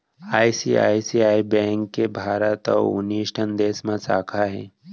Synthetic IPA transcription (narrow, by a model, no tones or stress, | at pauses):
aːjsia̰ːjsiaibẽŋkːebʱaːɾət̪ɔ̰ṵniʃʈʰənd̪eːsmãsa̰ːkʰaɦḛ̃